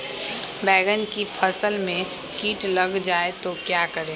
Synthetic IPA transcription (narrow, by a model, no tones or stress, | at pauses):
bɛːɡənkipʰəsəlmẽ | kiːʈləɡd͡ʒaːet̪okjaːkəɾeː